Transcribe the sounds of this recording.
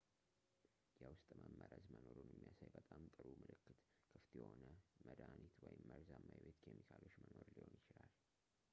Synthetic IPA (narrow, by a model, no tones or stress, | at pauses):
jɛwʊst̪ʼməmːəɾəzmənoɾunjɛmːijasajbət̪ʼamt̪ʼɨɾumɨlɨkːɨt̪ | kʰɨft̪jɛho̞nəməd̪anit̪wɔjɪmːəɾzamːajbet̪kʰemikʰalo̞t͡ʃːməno̞ɾliho̞njɪt͡ʃɪlal